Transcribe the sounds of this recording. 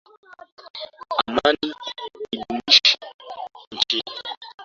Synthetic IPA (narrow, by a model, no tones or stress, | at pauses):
amaniiɗumiʃn̩t͡ʃi